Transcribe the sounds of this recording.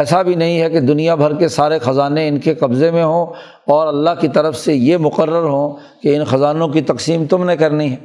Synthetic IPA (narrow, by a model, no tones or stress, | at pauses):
ɛːsabʱinɐɦĩɦɛked̪ʊnijabʱɐɾkesaːɾexɐzaːneɪnkeqɐbzemẽɦõː | ɔːɾɐlːaɦkit̪ɐɾəfsejemʊqəɾːəɾɦõː | keɪnxɐzaːnõkit̪ɐqsiːmt̪ʊmnekɐɾniɦɛː